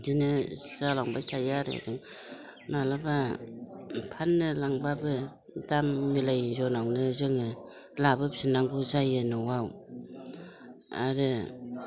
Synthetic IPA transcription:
dinɯzalaŋbajtʰajaɾɯ̰zɯŋ | nalaba | pʰanːɯlaŋbabɯ | damːilajzɔnawnɯzɯŋɯ | labɯp̚sinaŋɡuzajɯnɔwaw | a̰ɾɯ

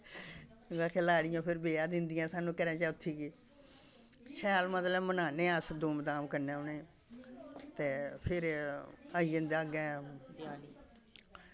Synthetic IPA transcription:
ʋɛːkʰeːlaːɽɪjãːpʰɪɾbeːjãːd̪ɪnd̪ɪjãːsaːnːũːkəɾɛ̃ːt͡ʃaːʊt̪ʰːiːɡeː | ʃʰɛːlmət̪lɛmənaːnẽːəsd̪uːmd̪aːmkəɾnẽːʊnẽː | t̪eːpʰɪɾaːiɪ̃nd̪aːɡɛ̃ː

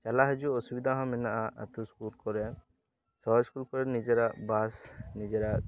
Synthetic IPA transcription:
t͡ʃalaɦəd͡ʒuɔsubid̪ʱaɦɔ̃mɛnaʔaə̰t̪uskulkɔɾɛ | sɔɔɾskulkɔɾɛnid͡ʒɛɾaʔbasnid͡ʒɛɾa

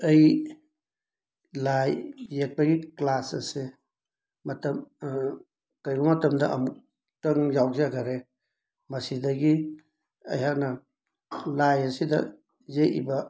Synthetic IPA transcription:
ɐj | lajːek̚baɡiklasɐ̰se | mɐtɐm | kajbumɐtɐmdɐɐmuk̚ | tɐŋjawzaɡaɾe | mɐsidɐɡi | ɐ̰jhanɐ | lajasidɐ̰ | zejḭbɐ

